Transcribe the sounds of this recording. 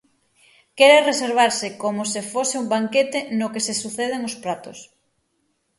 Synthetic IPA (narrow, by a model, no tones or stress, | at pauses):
kɛɾereseɾβ̞aɾsɪkomʊsefosɪumbaŋket̪enokesesuθeð̞eŋospɾat̪ʊs